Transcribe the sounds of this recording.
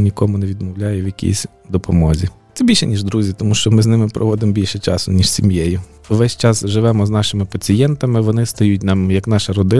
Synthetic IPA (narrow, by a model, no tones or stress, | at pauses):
nʲikɔmʊneʋʲid̪mɔwlʲajɛʋjɐkʲʰḭsʲ | d̪ɔpɔmɔzʲit̪sɛbʲilʲʃɛnʲiʒd̪ɾuzʲit̪ɔmuʃt͡ʃɔmɪznɪmɪpɾɔ̰ʋɔd̪ɪmɔbʲilʲʃɛt͡ʃɑ̰sʊnʲiʃsʲimjɛjʊ | ʋɛsʲt͡ʃɑsʒɪʋɛmɔznɑʃɪmɪpɐt͡sʲijɛnt̪ɐmɪʋɔnɪst̪ɐjutʲnɑmjɐknɑʃɐɾɔd̪ɪ